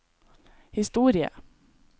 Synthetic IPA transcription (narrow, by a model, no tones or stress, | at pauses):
hɪst̪uːɾɪə̰